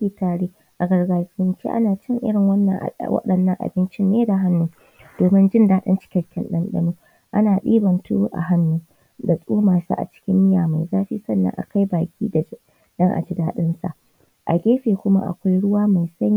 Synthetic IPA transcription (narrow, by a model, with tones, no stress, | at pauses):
kʲiː˨taː˨ɽeː˦ | ʔa˨ɡɐ˨rɡaː˨sɪ˨nt͡ʃḛ˦ʔa̰˦naː˨t͡ʃɪ˦ŋʔɪ̰˦ɽɪ˨ŋwɐ˦nːɐ˨ŋʔwɐ̰˦ɗɐ˨nːɐ˦ŋʔa̰˨bɪ˦nt͡ʃɪ˦nːeː˦da˨ɦa˦nːu˦ | d̥oː˨mɪ˦nd͡ʒɪ˦ndaː˦ɗɐ̰˦nt͡ʃɪ̥˦kʲɛ˨kʲɛ̰˦nɗɐ̰˦nɗɐ̰˦nuː˦ | ʔa̰˦naː˨ɗḭː˦bɐ˨ntu˦ʔa̰˨ɦa˦nːu˦ | da˨sʼuː˦maː˨sa̰˦ʔa̰˨t͡ʃɪ̥˦kʲɪ˦mːɪ˦ja̰ː˨ma˨jzaː˦ɸḭː˦sɐ˦˨nːɐ̰˦ŋʔa̰˨ka˦jbaː˨kʲiː˦da˨ | ɗɐ˦ŋʔa̰˨d͡ʒɪ˦daː˦ɗɪ˦nsa̰˨ʔ | ʔa̰˨ɡʲeː˦ɸeː˨kʷʊ˦ma̰˦ʔa̰˨kʷa˦jɽʊ˦waː˦ma˨jsɐ˦ɲ˦